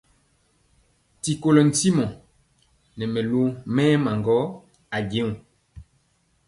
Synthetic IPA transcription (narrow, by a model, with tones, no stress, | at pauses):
ti˨ko˨lɔ˨n̩˨ti˦mɔ̃˨ | nɛ˨mɛ˨lo˦ŋmɛː˦ma˨ŋɡɔ˦ | a˨ɡẽ˦ŋu˨